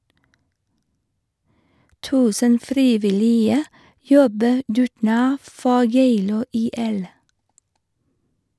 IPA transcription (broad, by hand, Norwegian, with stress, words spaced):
ˈtʉːsən ˈfɾiːʋɪˌliːə ˈjɔbə ˈdʉːʈˌɳɑː ˈfɔ ˈjeɪluː ˌiːˈɛl